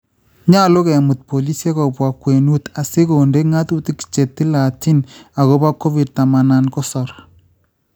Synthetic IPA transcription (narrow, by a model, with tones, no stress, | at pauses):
ɲa˦˨lo˦kɛ˨mu˨t̪̚po˨li˦sje˦kɔ˨pwa˨kːwe˨nu˦t̪a˨se˦ko˨nde˦ŋa˦t̪u˦ti˦ki̥˨t͡ʃe˨t̪ːi˦la˨ti˦na˨ɣo˦ba˦kːo˦vi˨d̚ta˨ma˨na˨nkɔ˦sɔ˨ɾ